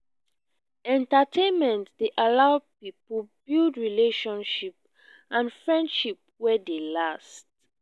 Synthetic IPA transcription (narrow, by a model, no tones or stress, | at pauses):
ɛ̃ntatʰẽnmɛ̃ntdeʔalaʊpipb̥ildɹileʃɔ̃nʃip̚ | ʔãnfɹɛ̃ndʃip̚wɛdelast